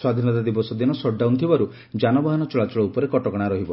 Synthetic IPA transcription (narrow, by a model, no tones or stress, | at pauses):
swad̪ʱinɔt̪ad̪ibɔsɔd̪inɔsɔɖawnt̪ʰibaɾu | d͡ʒanɔbaɦanɔt͡ʃɔɭat͡ʃɔɭɔupɔɾekɔʈɔkɔɽ̃aɾɔɦibɔ